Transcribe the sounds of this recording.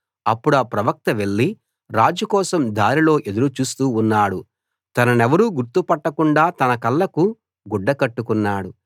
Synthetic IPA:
ɐpːuɽɐːpɾɐʋɐk̚t̪ɐʋe̞ɭːi | ɾaːd͡ʒukɔːsɐmd̪aːɾilo̞ːʔe̞d̪uɾut͡ʃuːst̪uːnːaːɽu | t̪ɐnɐnɛʋɐɾuɡuɾt̪upɐʈːɐkuɳɖaːt̪ɐnɐkɐlːɐku | ɡuɖːɐkɐʈːukunːaːɽu

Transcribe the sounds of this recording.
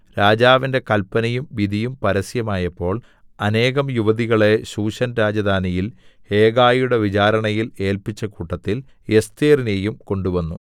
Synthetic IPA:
ɾaːd͡ʑaːʋinde̞kɐlpɐnɐjumʋid̪ʱijumpɐɾɐsjɐmaːjɐpːo̞ːɭ | ɐne̞ːɣɐmjuʋɐðiɣɐɭe̞ɕuːɕɐnɾaːd͡ʑɐd̪ʱaːnɐjil | e̞ːɡaːjuɽe̞ʋit͡ɕaːɾɐɳɐjile̞ːlpit͡ɕːɐkuːʈːɐt̪ːil | je̞st̪eːrinejumko̞ɳɖuʋɐnːu

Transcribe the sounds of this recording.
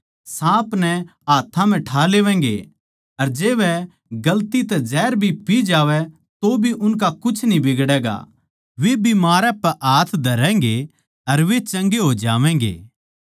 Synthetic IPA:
sãːpnɛaːt̪ʰãm̤ɛ̃ʈʰaːleːʋɛ̃̆ːɡḛ | ɐɾd͡ʒeːʋɛ | ɡɐlt̪it̪ɛd͡ʒɛːɾbʱipid͡ʒaːʋɛ | t̪obʱiʔʊnk̬akʊt͡ʃʰnibɪɡɽɛːɡa̰ | ʋebʱimaːɾɛ̃pɛʔaːt̪ʰd̪ʱɐɾɛ̃ːŋɡe | ɐɾʋet͡ʃɐ̃ŋɡeɦod͡ʒaːʋɛ̃ːŋ̆ɡḛː

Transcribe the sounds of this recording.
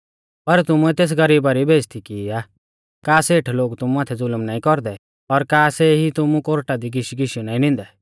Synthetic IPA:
pɐɾt̪ʊmuɛt̪eːs̬ɡɐɾiːbaɾibʱeːd͡ʒt̪ʰikiːaː | kaːseːʈʰloːɡt̪ʊmuaːt̪ʰɛd͡zʊlmnaːĩkɔɾd̪ɛ | ɔɾkaːsɛɦit̪ʊmũkoɾʈad̪iɡɪʃiɡɪʃjũnaːĩnɪ̃nd̪ɛ

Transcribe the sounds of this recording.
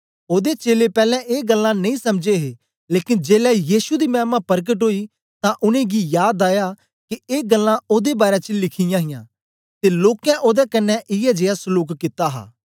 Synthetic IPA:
oːd̪et͡ʃeːlepɛːlɛ̃ʔeːɡəlːãnɐĩːsɐmd͡ʒeɦeː | leːkɪnd͡ʒeːlɛjiːʃud̪imɛːmãpɐɾk̬əʈɦoːi | t̪ãʔʊnẽɡijaːd̪aːja | kieːɡɐlːãoːd̪ebaːɾɛt͡ʃəlɪkʰɪjãɦɪjãː | t̪eloːkɛ̃ʔoːd̪ɛkɐnːɛ̃ʔɪjɛd͡ʒeːasʊluːkːɪt̪aɦa̰ː

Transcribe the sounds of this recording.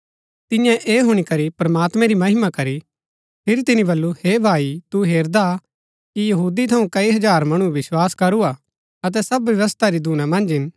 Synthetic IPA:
t̪ɪjãʔeːɦʊɽ̃ikɐɾipɾɐmaːt̪mɛ̃ɾimɐɦɪmakɐɾi | pʰɪɾit̪ɪnĩbɐlːuheːbʱaːit̪uɦeːɾd̪a | kijɐɦuːd̪it̪ʰɐũkɐiɦɐd͡ʒaːɾmɐɽ̃uʋɪswaːskɐɾua | ɐt̪̬ɛsɐbʋɪʋɐst̪aɾid̪ʱuːnãmɐ̃nd͡ʒɦɪn

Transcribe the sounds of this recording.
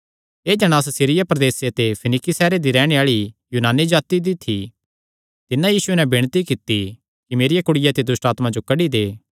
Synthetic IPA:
eːd͡ʒɐɽ̃aːs̬sɪɾɪjapɾɐd̪eːsjat̪epʰɐnɪkisɛːɾed̪iɾɛːɽ̃eaːɭijuːnaːnːid͡ʒaːt̪id̪it̪ʰːi | t̪ɪnãjiːsʊɛnɛbɪɽ̃t̪ikɪt̪i | kimeːɾɪjakʊɽɪjat̪ed̪ʊsʈaːt̪mãd͡ʒokɐɽid̪eː

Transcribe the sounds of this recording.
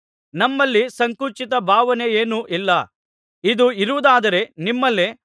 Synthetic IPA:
nɐmːɐlːisɐŋkut͡ʃit̪ɐbʱaːʋɐnejeːnuʔilːɐ | id̪uiɾuʋud̪aːd̪ɐɾe̞nimːɐlːe

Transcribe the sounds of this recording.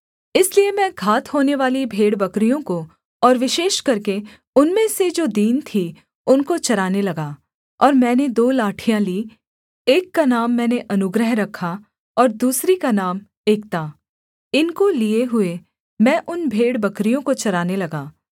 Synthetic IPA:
ɪsliemɛ̃ɡʱaːt̪hoːneʋaːlibʱeːɽbɐkɾijõko | ɔːɾʋɪʃeːʃkɐɾke | ʊnmẽsed͡ʒoːd̪iːnt̪ʰi | ʊnkot͡ʃɐɾaːnelɐɡaː | ɔːɾmɛ̃ːned̪oːlaːʈʰijãliː | eːkːanaːmːɛ̃ːneʔɐnʊɡɾəɦɾɐkʰa | ɔːɾd̪uːsɾikanaːm | eːkt̪aː | ɪnkolieɦʊe | mɛ̃ːʔʊnbʱeːɽbɐkɾijõkot͡ʃɐɾaːnelɐɡaː

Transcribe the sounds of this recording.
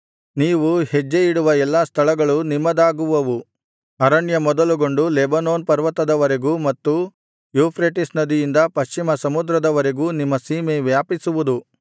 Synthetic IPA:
niːʋuhed͡ʒːejiɽuʋɐɛlːaːst̪ʰɐɭɐɡɐɭunimɐd̪aːɡuʋɐʋu | ɐɾɐɳjɐmɔd̪ɐluɡo̞ɳɖulebɐnoːnpɐɾʋɐt̪ɐd̪ɐʋɐɾeɡumɐt̪ːu | juːpʰɾeʈisnɐd̪ijind̪ɐpɐʃt͡ʃimɐsɐmud̪ɾɐd̪ɐʋɐɾeɡuːnimːɐsiːmeʋjaːpisuʋud̪u

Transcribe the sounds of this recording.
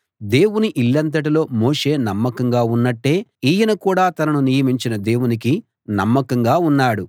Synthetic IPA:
d̪e̞ːwuniʔilːɐnt̪̬ɐʈ̬ilo̞ːmo̞ːʂe̞ːnɐmːɐkɐŋɡaːunːɐʈːe̞ːiːjɐnɐkuːɽaːt̪ɐnɐnunijɐmiɲt͡ʃinɐd̪e̞ːwuniki | nɐmːɐkɐŋɡaːunːaːɽu

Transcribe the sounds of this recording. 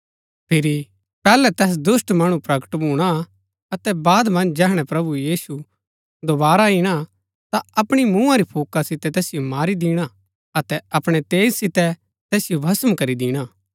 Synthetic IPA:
pʰɪɾi | pɛːlɛt̪ɛːs̬d̪ʊsʈmɐɽ̃ũpɾɐkə̥ʈbuːɽ̃a | ɐt̪ɛbaːd̪mɐ̃nd͡ʒd͡ʒɛːɦɽ̃ɛpɾɐbujiːsu | d̪obaːɾaiɽ̃a | t̪aɐpɽ̃imũːãɾipʰuːkasɪt̪ɛt̪ɛːsɪjomaːɾid̪ɪːɽ̃a | ɐt̪ɛɐpɽ̃ɛt̪eːd͡ʒsɪt̪ɛ | t̪ɛːsɪjobʱɐsəmkɐɾid̪ɪːɽ̃aː

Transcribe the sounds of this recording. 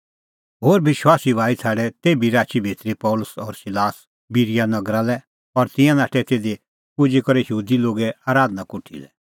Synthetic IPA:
ɦoːɾbɪʃwaːsiʋaːit̪ʰaːɽɛt̪eːbiɾaːt͡ʃibʱeːt̪ɾipɔlʊsɔɾsɪlaːs | biɾijanɐɡɾalɛ | ɔɾt̪ɪ̃jãnaːʈʰɛt̪eːd̪e | pʊd͡ʒikɔɾɛjəɦuːd̪iloːɡɛaːɾaːd̪nakʊʈʰḭlɛ̰

